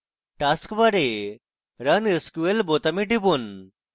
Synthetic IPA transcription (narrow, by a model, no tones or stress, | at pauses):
ʈaskʋaɾe | ɾəneskuelbot̪amiʈibun